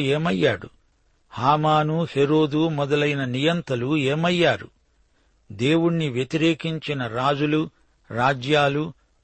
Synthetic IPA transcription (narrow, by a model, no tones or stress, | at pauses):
eːmɐjːaːɽṵ | haːmaːnuheɾo̞ːd̪umɔd̪ɐlɐjnɐnijɐnt̪ɐlueːmɐjːaːɾṵ | d̪e̞ːwuɽniʋjet̪iɾe̞ːkiɲt͡ʃinɐɾaːd͡ʒulu | ɾaːd͡ʒjaːlu